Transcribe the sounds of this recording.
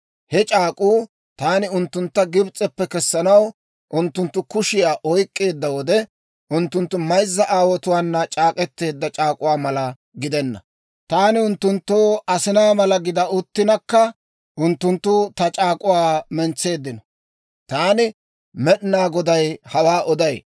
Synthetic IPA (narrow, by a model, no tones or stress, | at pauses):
hɛt͡ʃʼaːkʼuː | t̪aːnɪʊnt̪ːʊnt̪ːɐɡɪbt͡sʼɛpːɛkɛsːɐnɐw | ʔʊnt̪ːʊnt̪ːʊkʊʃɪjaːʔɔjkʼːe̞ːd̪ːɐwɔd̪ɛ | ʔʊnt̪ːʊnt̪ːʊmɐjzːɐʔaːwɔt̪ʊwaːnːɐt͡ʃʼaːkʼɛt̪ːe̞ːd̪ːɐt͡ʃʼaːkʼʊwaːmɐlɐ | ɡɪd̪ɛnːɐ̰ | t̪aːnɪʊnt̪ːʊnt̪ːoːʔɐsɪnaːmɐlɐɡɪd̪ɐʊt̪ːɪnɐkːɐ | ʔʊnt̪ːʊnt̪ːʊt̪ɐt͡ʃʼaːkʼʊwaːmɛnt͡sːe̞ːd̪ːɪnɔ | t̪aːnɪ | mɛɗɪnaːɡɔd̪ɐjhɐwaːʔɔd̪ɐj